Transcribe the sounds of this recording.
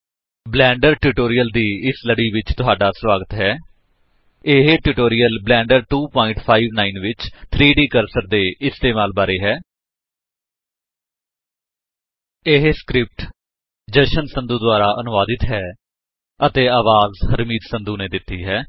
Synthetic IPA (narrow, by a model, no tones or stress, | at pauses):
blɛ̃ːɳɖəɾʈuːʈoːɾijəld̪iːɪsləɽiːʋɪt͡ʃt̪ʊɦaːɖaːswaːɡət̪ɦɛː | ɪɦeʈuʈoːɾɪijəlblɛ̃ːɳɖəɾʈuːpɔːɪɳʈpʰaːiːʋnaːinʋɪt͡ʃt̪ʰɾiːɖiːkəɾsəɾd̪eːʔɪst̪eːmaːlbaːɾeːɦɛː | ɪɦeskɾɪp̚ʈ | d͡ʒəʃənsənd̪uːd̪ʊaːɾaːʔənʊʋaːd̪ɪt̪ɦɛː | ət̪eːaːʋaːzhəɾmiːd̪sənd̪uːneːd̪ɪt̪ːiːɦɛː